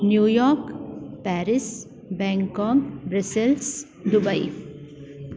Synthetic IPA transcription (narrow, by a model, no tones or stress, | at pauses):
njuːjɔːɾkpɛːɾɪs | bɛ̃ŋkɔːkbɾesɪls | d̪ʊbaḭ